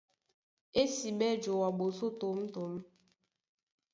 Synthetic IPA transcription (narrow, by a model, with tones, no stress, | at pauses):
e˦si˨me˦d͡ʒo˨wa˨ɡ͡bo˨so˦to˨m̩˦tʊ˨m̩˦